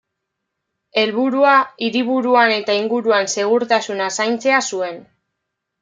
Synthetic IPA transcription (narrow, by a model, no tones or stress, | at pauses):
e̞lβuɾuaiɾiβuɾuane̞t̪aiŋɡuɾuanse̞ɣ̞uɾt̪asunasajnt͡se̞asue̞n